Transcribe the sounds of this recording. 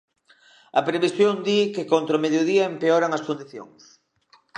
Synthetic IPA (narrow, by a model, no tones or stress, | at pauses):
ɐpɾeβisjond̪ikɪkont̪ɾomeðjoðiɐempeoɾaŋɐskond̪iθjo̰ŋs